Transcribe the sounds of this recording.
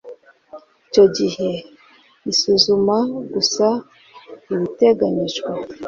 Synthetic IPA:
ico̞ɟihe̞ | isuzumaɡusa | iβite̞ɡaɲiʒɡwa

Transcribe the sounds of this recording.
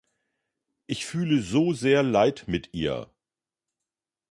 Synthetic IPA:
ʔɪçfyːləzoːzeːɐlaɪtmɪtʔḭːɐ̰

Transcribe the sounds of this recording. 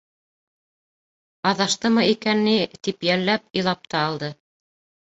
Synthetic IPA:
ɑðɑʃt̪ɤmɤikænːit̪ipjælːæp̚ĭjlˠɑp̚t̪ɑːlˠd̪ɤ

